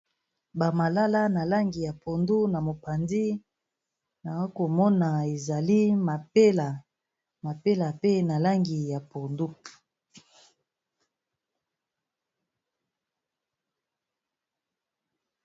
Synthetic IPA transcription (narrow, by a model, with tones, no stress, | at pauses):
ba˨ma˨la˦la˦na˨la˦ŋɡi˨ja˨po˨ndu˦na˨mo˨pa˨ndi˦ | na˨a˦ko˨mɔ˦na˨e˨za˨li˦ma˨pe˦la˨ | ma˨pe˦la˨pe˦na˨la˦ŋɡi˨ja˨po˨ndu˦